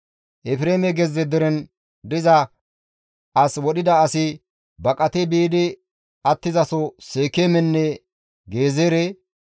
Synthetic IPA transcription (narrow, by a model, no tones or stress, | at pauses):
ʔɛfɪɾeːmɛɡɛzːɛd̪ɔɾɛn | d̪ɪzɐ | ʔɐswɔɗɪd̪ɐːsɪ | bɐkʼɐt̪ɛbiːd̪ɪ | ɐt̪ːɪzɐsɔseːkːeːmɛnːɛ | ɡe̞ːzeːɾe